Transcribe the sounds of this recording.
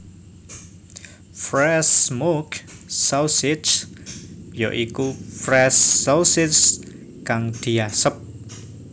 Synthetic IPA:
fɾɛsmoksasɪt͡ʃ | jɔ̰ʔikufɾɛsɔwsɪs | kaŋd̪̥iasəp̚

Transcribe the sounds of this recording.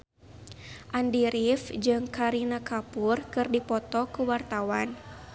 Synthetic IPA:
ʔandiɾifd͡ʒɨŋkaɾinakapurkɨrdipɔt̪ɔkuwart̪awan

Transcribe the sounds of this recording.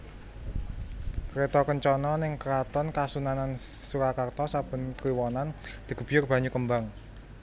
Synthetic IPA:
kɾet̪ɔkəɲt͡ʃɔnɔnɪŋkəɾat̪ɔnkasunanansuɾakart̪ɔsab̥ə̤nkliwɔnand̪̥i̤ɡ̥ə̤b̥i̤jʊrb̥ä̤ɲukəmbaŋ

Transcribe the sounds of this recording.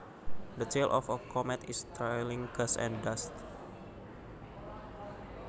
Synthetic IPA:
dət͡ʃelʔɔfəkʰɔmɛt̪ist̪ɾajlĩŋkəsɛ̰̃ndast̪̚

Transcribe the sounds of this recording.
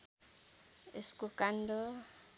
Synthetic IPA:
eskʼukʼandɔ

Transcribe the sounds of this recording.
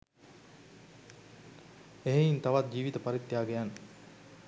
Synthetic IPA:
eɦeint̪aʋat̪̚d͡ʒiːʋit̪əpaɾit̪ːjaːɡejanː

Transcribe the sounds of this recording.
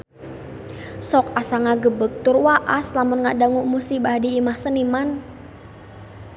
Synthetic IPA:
sɔk̚asaŋaɡəbək̚t̪ʊrwaʔaslamʊnŋaʔdaŋʊʔmusibahdiːmahsəniman

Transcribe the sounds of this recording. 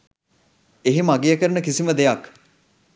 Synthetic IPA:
eɦimaɡejəkəɾənəkisiməd̪ejak

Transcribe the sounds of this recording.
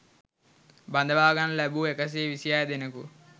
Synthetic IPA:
bɐnd̪ʱɐbaːɡɐnlɐbuekɐs̬eːʋisijaːjɐd̪enɐku

